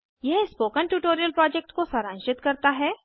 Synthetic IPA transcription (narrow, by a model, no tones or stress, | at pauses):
jɛɦspoːkənʈuːʈoːɾijəlpɾɔːd͡ʒɛk̚ʈkosɐɾãːʃɪt̪kɐɾt̪aɦɛː